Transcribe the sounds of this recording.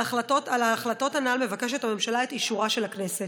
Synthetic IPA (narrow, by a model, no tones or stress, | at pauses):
aχlato̞talaːχlato̞tanalme̞vake̞ʃethamemʃalaet̪iʃuʁaʃe̞lakne̞set